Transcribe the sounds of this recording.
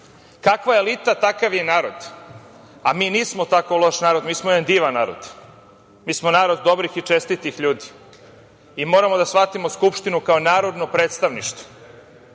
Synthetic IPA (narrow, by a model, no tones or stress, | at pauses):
kakʋaelit̪at̪akaʋjenaːɾo̞d̪̥ | amiːniːsmo̞t̪akolˠo̞ʃnaːɾo̞d̪miːsmoed̪and̪iːʋanːaːɾo̰d̪̥ | miːsmonaːɾo̞d̪ːo̞bɾixit͡ʃest̪it̪ixʎuːd̪i̥ː | mo̞ːɾamo̞d̪asʋat̪imo̞skupʃt̪inukaonaːɾo̞d̪no̞pɾeːt̪st̪aʋniʃt̪o̥